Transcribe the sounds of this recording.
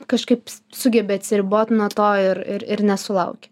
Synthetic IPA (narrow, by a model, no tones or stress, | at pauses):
kɐʃkɐɪpsʊɡʲɛbʲeːɐt̪ʲsʲɪɾʲɪboːt̪nuɔt̪oːɪɾɪɾɪɾnʲɛsʊlˠɐʊkʲɪ